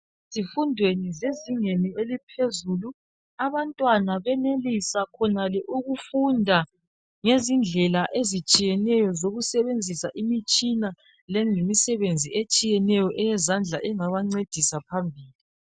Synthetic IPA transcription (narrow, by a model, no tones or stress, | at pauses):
zifundʱwenizeziŋenielipʰezulu | aβantʼwanaβɛnelisakʰɔnalɛʔuɣufundʱa | ŋezind͡ɮʱɛlaʔezit͡ʃʼijɛnɛjɔzoɣusɛβend͡zʱisaʔimit͡ʃʼina | lɛŋlemisɛβend͡zʱiʔet͡ʃʼijɛnɛjɔʔɛjɛzand͡ɮʱaʔɛŋaβaŋ͡ǀed̥ʱisapʰambʱiːli